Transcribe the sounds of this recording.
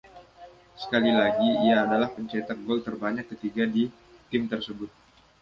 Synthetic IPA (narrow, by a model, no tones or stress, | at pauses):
sə̥kalilaɡiːaːdalahpəɲt͡ʃet̪ak̚ɡɔlt̪ərbaɲakːət̪iɡadi | t̪ɪmt̪ərsəbʊt̪̚